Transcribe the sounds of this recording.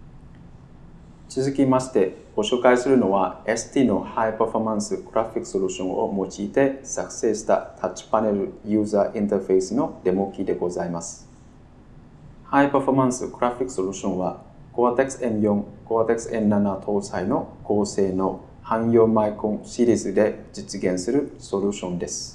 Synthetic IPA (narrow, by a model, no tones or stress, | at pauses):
t͡sɨzɨkʲimaɕi̥t̪e̞ɡ̥o̞ɕo̞ːkaisɨɾɯ̟no̞βaesɨ̥t̪iːno̞haipaɸomãɰ̃sɨkɯɾaɸʲikɯ̥soɾʲuɕõ̞ŋ̃o̞̰mo̞t͡ɕiːt̪e̞sakɯ̟̥se̞ɕi̥t̪a̰t̪ʰat͡ɕi̥pane̞ɾɯ̟jɯ̟ːzaːʔĩnt̪eɯɸe̞isɨno̞d̪e̞mo̞kʲid̪e̞ɡo̞zaimasɨ̥ | haipaɸomãɰ̃sɨ̰kɯ̟ɾaɸʲikːɯ̥soɾʲɯɕõ̞ɰ̃βa | ɡ̥oat̪eksɨẽnjõŋkoat̪ekɯ̥sɨẽ̞nnanat̪ʰo̞ːsaino̞ɡ̥o̞ːse̞ːno̞ | hãɰ̃jo̞ːmaikõnɕiɾʲizɨd̪e̞d͡ʑit͡sɨɡẽ̞ɰ̃sɨɾɯ̟so̞ɾʲɯ̟ːɕõ̞nd̪e̞sɨ̥